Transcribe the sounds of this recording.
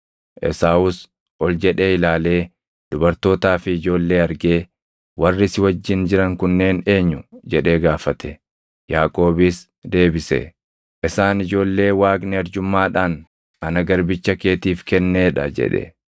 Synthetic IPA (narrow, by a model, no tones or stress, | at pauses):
ʔɛ̰saːʊs | ɔld͡ʒɛᶑe̞ːɪlaːle̞ː | d̪̥ʊbɐɾt̪o̞ːt̪aːfɪːd͡ʒo̞ːlːe̞ːɐɾɡe̞ː | wɐrːɪsɪwɐd͡ʒːɪnd͡ʒɪɾɐŋkʊnːe̞ːne̞ːɲːʊd͡ʒɛᶑe̞ːɡaːfɐt̪ʰɛ | jaːkʼo̞ːbiːs | d̪e̞ːbɪsɛ̰ | ʔɪsaːnɪd͡ʒo̞ːlːe̞ːwaːɡnɛɐɾd͡ʒʊmːaːᶑaːn | ɐnɐɡɐɾbɪt͡ʃːɐke̞ːt̪iːfkɛnːeːᶑɐ̰d͡ʒɛ̰ᶑɛ̰